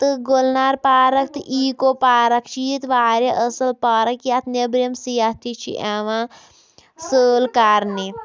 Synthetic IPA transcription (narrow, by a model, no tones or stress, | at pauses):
t̪ɨɡolnaːɾpaːɾɐkt̪ʔiːkopaːɾɐkt͡ʃʰit̪ʋaːɾeʔəsɐlpaːɾɐkjat̪nebɾemsijat̪ʰit͡ʃʰḭʔaʋã | səːlkaːɾni